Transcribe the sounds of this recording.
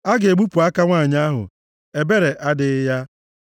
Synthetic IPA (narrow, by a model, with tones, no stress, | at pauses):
a˦ɡe˨ɡ͡bu˦pu˨a˦ka˦ŋʷa˦˨ɲ˦a˦ɦʊ̰˨ | e˨be˦ɾe˨ʔa˦dɪ˦ja˦